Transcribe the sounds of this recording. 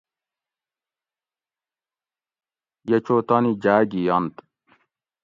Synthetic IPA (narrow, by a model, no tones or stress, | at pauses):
jɐt͡ɕoːt̪anid͡ʑaːɡijɐnt̪